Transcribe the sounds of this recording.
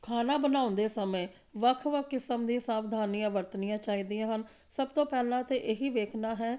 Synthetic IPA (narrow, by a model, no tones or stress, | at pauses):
kʰaːnaːbənaːʊ̃nd̪eːsəmẽː | ʋəkʰʋəkʰːɪsəmd̪ĩːsaːbd̪ʱaːnijãːʋəɾt̪nɪjãːt͡ʃaːiːd̪ijãːɦən | səbt̪õːpɛːlãːt̪eːʔeɦiːʋeːkʰnaːɦɛː